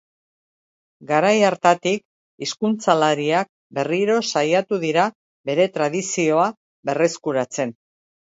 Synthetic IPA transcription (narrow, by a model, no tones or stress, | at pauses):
ɡaɾajaɾt̪at̪ik | iskunt͡salaɾiak̚ | be̞riɾo̞sajat̪uðiɾa | βe̞ɾe̞t̪ɾað̞isio̞a | βe̞re̞skuɾat͡se̞n